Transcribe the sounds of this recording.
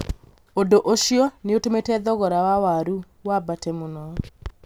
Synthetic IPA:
odoʔoʃjɔneotometɛðɔɣɔɾawawaɾu | wabatɛmunɔ

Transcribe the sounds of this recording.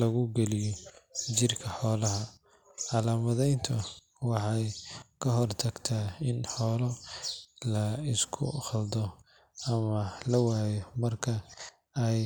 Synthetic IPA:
lɐɣʊɡɛlɪjɔt͡ʃɪrkʰɐħɔːlɐɦɐ | ʕɑlaːmɐðɛjnt̪ʰɐ | wɑħɑjkʰɐɦɔrt̪ʰɐɡt̪ʰaːɪnħɔːlɔ | lɐɪskʰʊ̰χɐld̪ɔ | ɐmɐlɐwaːjɔmɐrkʰɐ | ɛj

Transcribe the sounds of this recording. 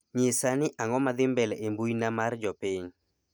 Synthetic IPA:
ɲɪsanɪʔaŋɔmad̪ɪmbɛlɛembujnamard͡ʒɔpɪɲ

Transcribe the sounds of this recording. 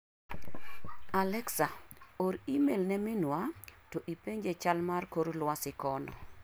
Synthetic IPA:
alɛksaoɾimelnɛmɪnwatoʔipeɲd͡ʒet͡ʃalmarkoɾlwasɪkɔnɔ̰

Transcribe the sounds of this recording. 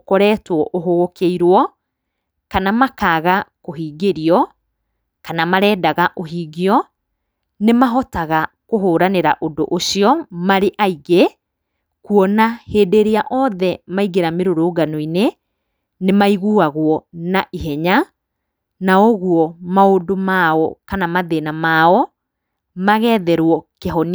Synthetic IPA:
kɔɾɛːtwɔʔoɦoɣokeiɾwɔ | kanamakaːɣakoɦiːɡeɾiɔ | kanamaɾɛːdaɣaʔoɦiːɡiɔ | nemaɦɔtaɣakoɦoːɾaneɾa̰ʔodoʔoʃiɔmaɾeʔaiɣe | kuɔnaheːdeɾeaʔɔðɛmaiɣeɾameɾoɾoːɡanoine | nemaiɣuaɣwɔnaʔiɦɛɲa | naoɣuɔmaondomaɔkanamaðenamaːɔ | maɣɛːðɛɾwɔkeɦɔn

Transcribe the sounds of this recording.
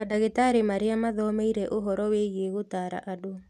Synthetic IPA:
adaɣetaɾemaɾeamaðɔmeiɾɛʔoɦɔɾɔweɣeɣotaːɾa̰ʔado

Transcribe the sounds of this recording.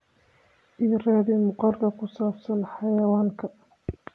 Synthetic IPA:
ʔiːrɛːðɪmʊqɑrkɐkʰʊsaːbsɐnħɑjɐwaːŋkʰɐ

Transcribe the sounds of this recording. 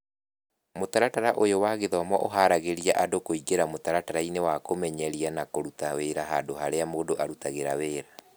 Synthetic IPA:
motaɾataɾaʔojowaɣeðɔmɔʔoɦaɾaɣeɾiaʔadokoiɡeɾamotaɾataɾainewakomɛɲɛɾianakoɾutaweɾaɦadoɦaɾeamoːdoʔaɾutaɣeɾaweːɾa

